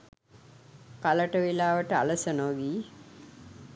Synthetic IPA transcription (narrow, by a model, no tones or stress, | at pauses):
kaləʈəʋilaːʋəʈəa̰ləsənoɡiː